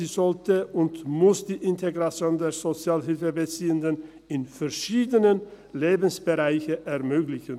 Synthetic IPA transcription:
iːzɔltəʊntmʊsd̥iːʔɪntʰeɡʁat͡sjoːndeːɐzot͡sjaːlɦɪlfəbət͡siːəndən | ɪnfɛɐʃiːdənən | leːbn̩sb̥əʁaɪçəʔɛɐmøːɡlɪçən

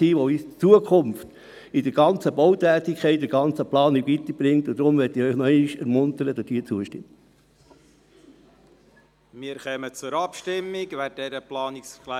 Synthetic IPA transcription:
iːʋɔit͡suəkʰʊmft | ɪd̥əɾɡ̥ɑnt͡səbowt̪æːtikʰɛɪt̚dɪɡ̥ɑnt͡səplɑːniɡʋit̪əɾb̥ɾɪŋt̪ʊd̥̪ɾʊmʋɛtiœʏnɔɛɪniʃɛɾmʊnt̪əɾəd̥̪ɑsd̥̪iːət͡suəʃtɪ̰mt | miːɾkœmət͡sʊɾɑpʃtɪmːɪɡʋæt̚dɛɾəplɑːnɪksklæ

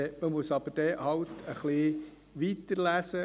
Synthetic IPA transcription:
ɛməmusɑb̥əɾd̥ɛhɑwt̪ʰəχli | ʋit̪əɾlæsə

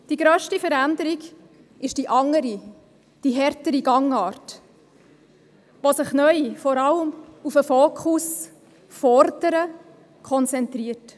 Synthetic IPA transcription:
d̥iɡɾœːʃtifəɾændəɾiɡ | ɪʃd̥iʔɑŋːəɾi | d̥iɦɛɾtəɾiɡɑŋɑːɾt | ʋosɪχnœʏfɔɾɑləmufəfoːkʰus | fɔɾdəɾə | kʰɔnt͡sɛntɾiət

